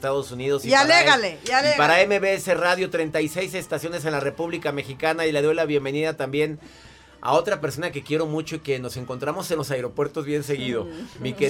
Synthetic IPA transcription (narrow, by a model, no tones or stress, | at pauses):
st̪aðo̞suniðo̞sialeɣalealipaɾaemeβeese̞raðjo̞t̪ɾe̞jnt̪ajse̞js̬est̪asjo̞ne̞s̬e̞nlare̞puβlikame̞xikanaile̞ðo̞jlaβje̞mbe̞niðat̪ambje̞n | a̰o̞t̪ɾape̞ɾso̞nake̞kje̞ɾo̞mut͡ʃo̞ike̞no̞se̞ŋko̞nt̪ɾamo̞se̞nlo̞saeɾo̞pwe̞ɾt̪o̞zβje̞nse̞ɣiðo̞smike